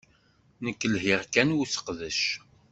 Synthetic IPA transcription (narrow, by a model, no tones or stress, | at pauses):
nəkːəlɦɪʁkænwusə̥qðəʃ